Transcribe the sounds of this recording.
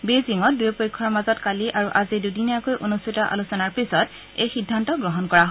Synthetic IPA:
beziŋɔt̚dujɔpojkʰːɔɹmazɔtkaliʔaɹuʔazidudinakojʔonustʰitɔʔa̰lusɔnaɹpisɔt | ejxidʱːantɔɡɹɔɦɔnkɔɹaɦ

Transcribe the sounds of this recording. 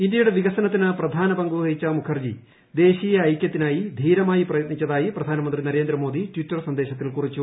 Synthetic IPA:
indʲjɐjuɽe̞ʋiɣɐsɐnɐt̪ːinɨprɐd̪ʱaːnɐbɐŋɡuɐit͡ɕːɐmukʰɐrd͡ʑi | d̪e̞ːɕiːjɐːjkʲjɐt̪ːinaːjid̪ʱiːɾɐmaːjiprɐjɐt̪̚nit͡ɕːɐðaːjiprɐd̪ʱaːnɐmɐnd̪rinɐɾe̞ːnd̪ɾɐmo̞ːd̪ʱitwitːɐrsɐnd̪e̞ːɕɐt̪̬ːilkurit͡ɕːu

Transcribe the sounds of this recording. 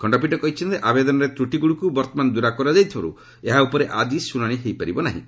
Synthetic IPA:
kʰɔɳɖɔpiʈɔkɔɦit͡ʃʰint̪eʔabed̪ɔnɔɾet̪ɾuʈiɡuɽukubɔɾt̪ɔmand̪uɾakɔɾad͡ʒajt̪ʰiba̰ɾṵ | eɦaupɔɾeʔad͡ʒisunaɽ̃iɦejpaɾibɔnaɦḭ̃

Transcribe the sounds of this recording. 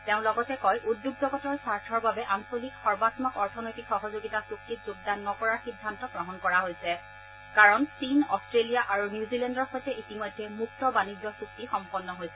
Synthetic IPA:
teʊ̃lɔɡɔtɛkɔjʔudːjuɡ̚zɔɡɔtɔɹsaɹtʰɔɹbabɛʔansolikxɔɹbatmɔkɔɹtʰɔnojtikxɔɦozoɡitasuk̚titzuɡ̚danːɔkɔɹaɹxidʱːantɔɡɹɔɦɔnkɔɹaɦojsɛ | kaɹɔnsinɔstɹelijaʔaɹunjuzilɛndɔɹxɔjtɛitimɔjdʱːɛmuk̚tɔbanizɔsuk̚tixɔmpɔnːɔɦojsɛ

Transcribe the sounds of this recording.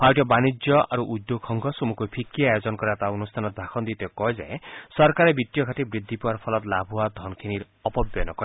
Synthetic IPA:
pʰaʈjɔbanid͡ʒjɔʔa̰ɾuʔud̪joɡhɔŋɡʰɔsumukupʰikːiajod͡ʒɔnɔkɔɾat̪aunust̪ʰanɔd̪ʱakʰɔnd̪it̪ɔkɔed͡ʒã̰ẽsɔɾkaɾebit̪ijɔkʰaʈibɾid̪ʱːipaɾpʰɔlɔt̪labʱɦuad̪ʱɔnkʰiniɾ | ɔpɔbjɔnɔkɔɾ

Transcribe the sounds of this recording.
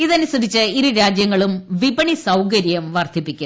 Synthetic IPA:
iðɐnusɐd̪ʱit͡ɕːɨiɾuɾaːd͡ʑjɐŋːɐɭumʋibɐɳisɐwkɐɾjɐmʋɐrd̪ʱipːikʲːu

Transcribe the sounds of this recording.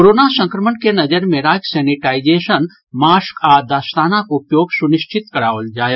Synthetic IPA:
oɾonasə̃ŋkɾəmənkenɐd͡ʒəɾmẽɾaːksɛːniʈaːid͡ʒeːʃən | maːskaːd̪aːst̪aːnakupjoːɡsuniʃt͡ʃʰit̪kɐɾaːʋəld͡ʒaːje

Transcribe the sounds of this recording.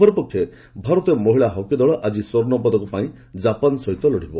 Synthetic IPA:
ɔɾɔpɔkʰːjɔ | bʱaɾɔt̪ɔmɔɦiɭaɦɔkjɔd̪ɔɭɔʔad͡ʒisoɾnɔpɔd̪ɔkɔpaĩ | d͡ʒapɔnsɔɦit̪ɔlɔɽ̤ibɔ

